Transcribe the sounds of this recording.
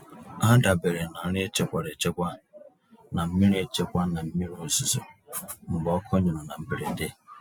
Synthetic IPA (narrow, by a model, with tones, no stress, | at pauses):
a˦da˨be˨ɾe˨na˨˦ɾe˦t͡ʃe˦kʷa˨ɾe˨t͡ʃe˦kʷa˦˨ | na˨m̩˦mi˦ɾe˨t͡ʃe˦kʷa˦na˨m̩˦mi˦ɾo˨zi˨zo˨m̩˨bɔ˦kʰɔ˦ɲu˨ɾʊ˨na˨m̩˦be˨ɾe˨˦de˦